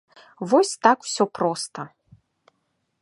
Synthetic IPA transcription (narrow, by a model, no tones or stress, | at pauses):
vɔsʲt̪akw̥sʲɔpɾɔst̪ɐ